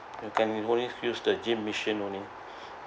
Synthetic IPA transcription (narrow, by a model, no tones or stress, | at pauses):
jukɛ̃niõnijusdəd͡ʒĩmːiʃə̃nõni